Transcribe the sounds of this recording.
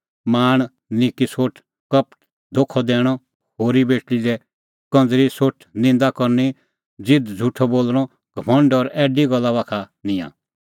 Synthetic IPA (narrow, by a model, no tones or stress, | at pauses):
maːɽ̃ | nɪkisoːʈʰ | kɐpʈ | d̪ʱoːkʰɔd̪ɛːɽ̃ɔ | hoːɾibeːʈiɾɛ | kɐ̃nd͡zɾisoːʈʰnɪ̃nd̪akɔɾni | d͡zɪd̪d͡zʱuʈʰɔboːlɽ̃ɔ | ɡ̥ʱəmə̃ɳɖɔɾɛːɖiɡɔlːaβaːkʰa | nɪ̃jã̰ː